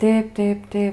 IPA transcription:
ˈtʲeːp ˈtʲeːp ˈtʲeːp

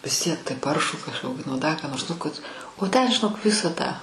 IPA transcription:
ʋʲɪs ˈtʲiɛk tɐɪ ˈpɐrʃuː kɐʃˈkoːkʲɪ nʊ ˈdɐ kɑː noːrs nʊ kɐt oː tʲɛn ʒʲɪˈnoːk ˈʋʲɪsɐ tɑː

